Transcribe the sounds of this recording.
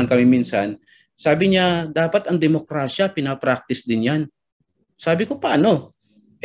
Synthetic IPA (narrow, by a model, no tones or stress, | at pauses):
ɐŋkɐmɪminsan | saːbɪɲad̪aːpɐt̪ɐŋd̪ɛmo̞kɾaːʃapɪnapɾak̚t̪ɪsd̪ɪnjan | saːbɪko̞paːno̞ | ʔ